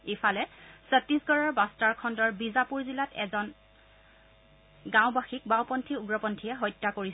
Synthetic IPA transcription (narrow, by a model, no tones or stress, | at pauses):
efʰalɛsɛtisɡɔɹaɹbastaɹkʰɔndɔɹbizapuɹzilatɛ̰zɔn | ɡãʊbaxik̚bawpɔntʰiuɡɹɔpɔntʰijɛɦɔjtːakoɹis